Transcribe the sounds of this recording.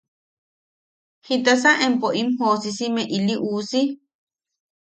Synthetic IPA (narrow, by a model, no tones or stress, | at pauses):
hit̪asaʔempoʔimhosisimẽʔiliʔuːsi